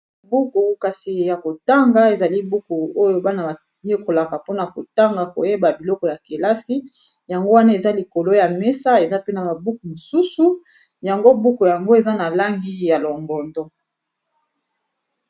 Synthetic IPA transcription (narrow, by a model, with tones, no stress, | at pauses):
bu˦ku˨ka˨si˨ja˨ko˨ta˦ŋɡa˦e˨za˨li˦bu˦ku˨o˦jo˦ba˦na˨a˨ | je˦ko˨la˨ka˨po˦na˨ko˨ta˦ŋɡa˨ko̰˨je˦ba˨bi˨lɔ˦kɔ˨ja˨ke˨la˦si˦ | ja˨ŋɡo˦wa˦na˦e˨za˦li˨ko˨lo˦ja˨me˦sa˦e˨za˦pe˦na˨ba˨bu˦ku˨mo˨su˦su˦ | ja˨ŋɡo˦bu˦ku˨ja˨ŋɡo˦e˨za˦na˨la˦ŋɡi˦ja˨lɔ˨ŋɡɔ˨ndɔ˦